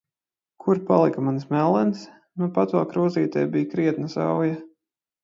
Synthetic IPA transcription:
kʰuɾpalˠikamansmɛlˠɛns | nupat̪valˠkɾuːziːt̪ɛjbijkɾiɛt̪nɐsɑ̰wja

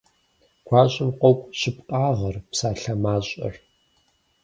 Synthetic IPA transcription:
ɡʷʰaːɕʼɪmqʷɔkʷʼɕɪpqʼaːʁɐrpsaːɬɐmaːɕʼɐ̰r

